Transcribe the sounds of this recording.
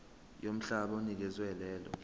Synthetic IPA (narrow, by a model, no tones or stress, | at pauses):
jom̩ɬaɓaunik̬ɛzwɛlɛːlɔ̰